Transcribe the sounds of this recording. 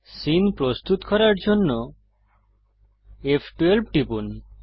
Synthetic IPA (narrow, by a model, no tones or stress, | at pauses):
sinpɾost̪ut̪kɔɾaɾd͡ʑonːo | efʰʈwelb̚ʈipun